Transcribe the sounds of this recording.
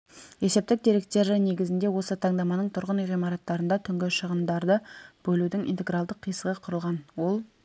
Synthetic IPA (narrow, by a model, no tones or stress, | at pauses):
e̞se̞p̚t̪ɪk̚d̪eɾe̞k̚t̪e̞ɾɪne̞ɡʲɪzɪnd̪e̞wo̞sət̪ʰɑɴd̪ɑmɑnəɴt̪ʰʊɾʁəniʁijmɑɾɑt̪ːɑɾənd̪ɑt̪ʰʏŋɡʲɪʃəʁənd̪ɑɾd̪əb̥ɵlud̪ɪŋḭjnt̪e̞ɡɾɑlˠd̪əqʰːijsəʁəqʰʊɾəlˠʁɑnwo̞lˠ